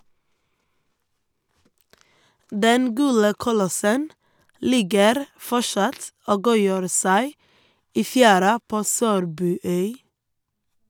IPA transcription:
ˈdɛn ˈɡʉːɽə kʊˈlɔsən ˈlɪɡəɾ ˈfɔʃɑt ˈoː ˈɡuːjøːɾ ˈsæɪ ˈiː ˈfjæːɾɑ ˈpoː ˈsøːɾbʉːˌœʏ

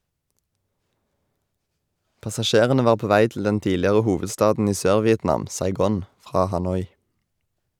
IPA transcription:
pɑsɑˈʃeːʁənə ˈʋɑːʁ ˈpoː ˈʋæɪ tl̩ ˈdɛn ˈtiːlɪʁə ˈhuːʋədˌstɑːdn̩ ˈiː ˈsøːɾʋɪɛtˌnɑːm sɑɪˈɡoːn ˈfʁɑː hɑˈnɔʏ

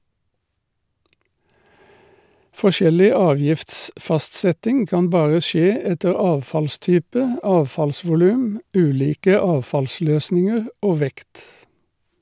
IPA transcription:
fɔˈʃɛlɪ ˈɑːˌʋjɪftsfɑstˌsɛtɪŋ ˈkɑːn ˈbɑːʁə ˈʃeː ˈɛtəʁ ˈɑːʋfɑlˌstyːpə ˈɑːʋfɑlsʋʊˌlʉːm ˈʉːˌliːkə ˈɑːʋfɑlˌsløːsnɪŋəʁ ˈoː ˈʋɛkt

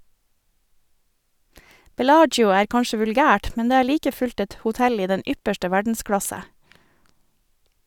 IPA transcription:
bɛˈlɑːd͡ʒjʊ ˈæːɾ ˈkɑnʃə ʋʉlˈɡæːʈ ˈmɛn ˈdeː ˈæːɾ ˈliːkə ˈfʉʎt ˈɛt hʊˈtɛl ˈiː ˈdɛn ˈʏpəʃʈə ˈʋæɖn̩ˌskɽɑsə

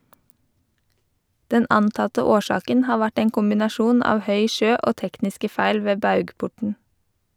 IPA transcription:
ˈdɛn ˈɑntɑtə ˈoːˌʃɑːkən ˈhɑː ˈʋæʈ ˈeːŋ kʊmbɪnɑˈʃuːn ˈɑːʋ ˈhœʏ ˈʃøː ˈoː ˈtɛknɪskə ˈfæɪl ˈʋeː ˈbɑʉɡˌpʊʈɳ̩

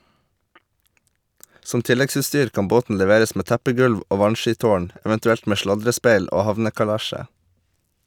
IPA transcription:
ˈsɔm ˈtɪlɛɡsʉːˌstyːɾ ˈkɑm ˈboːtn̩ lɛˈʋeːɾəs ˈmeː ˈtæpəˌɡʉlʋ ˈʔoː ˈʋɑnˌʃiːˌtoːɳ ɛʋɛntʉˈɛlt ˈmeː ˈʃlɑdɾəˌspeɪl ˈoː ˈhɑʋnəkɑˌlæʃə

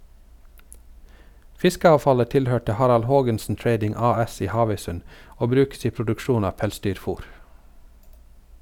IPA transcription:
ˈfɪskəɑːʋˌfɑlə ˈtɪlˌhøːʈə ˈhɑɾɑl ˈhoːɡənsn̩ ˈtɾeɪdɪŋ ˈɑːˌɛs ˈiː ˈhɑːʋœʏˌsʉn ˈoː ˈbɾʉːks ˈiː pɾʊdʉkˈʃuːn ˈɑː ˈpɛlˌsdyːɾˌfuːɾ

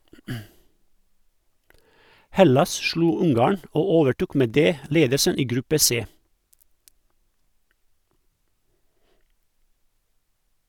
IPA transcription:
ˈhɛlɑs ˈʃluː ˈʊŋˌɡɑːɳ ˈoː ˈoːʋəˌʈuːk ˈmeː ˈdeː ˈleːdəsən ˈiː ˈɡɾʉpə ˈseː

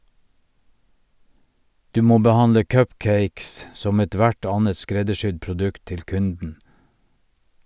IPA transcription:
ˈdʉː ˈmoː bəˈhɑndə ˈkœpˌkeɪks ˈsɔm ɛˈtʋæʈ ˈɑːnət ˈskɾɛdəˌʃʏd pɾʊˈdʉkt ˈtɪl ˈkʉndn̩

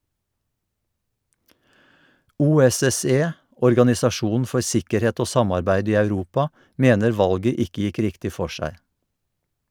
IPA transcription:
ˌʔuːɛsɛˈseː ʔɔɹɡɑnɪsɑˈʃuːnn̩ ˈfɔɹ ˈsɪkəɾˌheːt ˈoː ˈsɑmɑɹbæɪd ˈiː ɑʉˈɾuːpɑ ˈʔmeːnəɹ ˈʋɑlɡə ˈɪkə ˈjɪk ˈɾɪktɪ ˈfɔ ˈʃæɪ

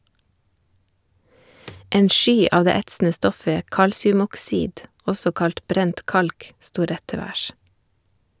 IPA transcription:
ˈeːn ˈʃyː ˈɑːʋ ˈdeː ˈɛtsn̩ə ˈstɔfə ˈkɑlsɪʉmɔkˌsiːd ˈɔsɔ ˈkɑlt ˈbɾɛnt ˈkɑlk ˈstuː ˈɾɛt ˈtɛ ˈʋæːʃ

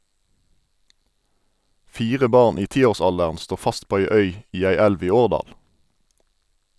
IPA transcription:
ˈfiːʁə ˈbɑʁn ˈiː ˈtiːoːʁˌsɑldəʁn ˈstoː ˈfɑst ˈpoː ˈæɪ ˈœʏ ˈiː ˈæɪ ˈɛlʋ ˈiː ˈoːʁˌdɑːl

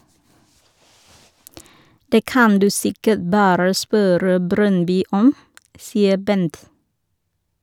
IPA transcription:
ˈdeː ˈkɑn ˈdʉː ˈsɪkəʈ ˈbɑːɾə ˈspøːɾə ˈbɾœnˌbyː ˈɔm ˈsiːə ˈbɛnt

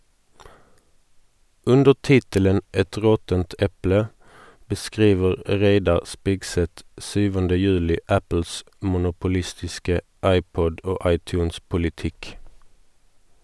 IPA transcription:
ˈʉndəʁ ˈtɪtələn ˈɛt ˈʁɔtənt ˈɛplə bəˈskʁiːʋəʁ ˈʁeɪdɑʁ ˈspɪɡˌsɛt ˈsyːʋəndə ˈjʉːlɪ ˈæpl̩s mʊnʊpʊˈlɪstɪskə ˈɑɪˌpɔd ˈoː ˈɑɪˌtjʉːnspʊlɪˌtɪk

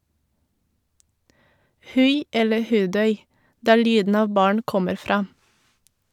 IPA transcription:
ˈhʉɪ ˈɛlə ˈhʉːˌdœʏ ˈdæːɾ ˈlyːdn̩ ˈɑːʋ ˈbɑːɳ ˈkɔməɾ ˈfɾɑː

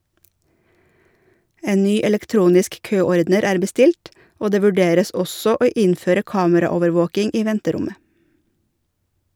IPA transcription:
ˈeː ˈnyː ɛlɛkˈtɾuːnɪsk ˈkøːɔɾdnəɾ ˈæːɾ bəˈstɪlʈ ˈoː ˈdeː ʋʉˈɖeːɾəs ˈɔsɔ ˈoː ˈɪnføːɾə ˈkɑːməɾɑˌoːʋəɾˌʋoːkɪŋ ˈiː ˈʋɛntəˌɾʊmə

